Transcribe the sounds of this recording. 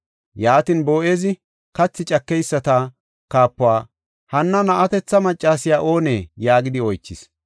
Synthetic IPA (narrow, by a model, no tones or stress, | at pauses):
jaːt̪inbo̞ːʔe̞ːzɪ | kɐt͡sːɪt͡ʃʼɐkːɛjsːɐt̪a | kaːpːʊwaː | hɐnːɐnɐʔɐt̪ɛt͡sːɐmɐt͡ʃʼːaːsɪjaːʔo̞ːne̞ːjaːɡɪd̪ɪɔjt͡ʃːɪs